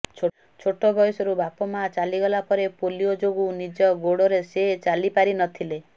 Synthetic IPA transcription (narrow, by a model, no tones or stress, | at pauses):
t͡ʃʰo | t͡ʃʰoʈɔbɔjɔsɔɾubapɔmat͡ʃaliɡɔlapɔɾepoliod͡ʒoɡunid͡ʒɔɡoɽɔɾeset͡ʃalipaɾinɔt̪ʰile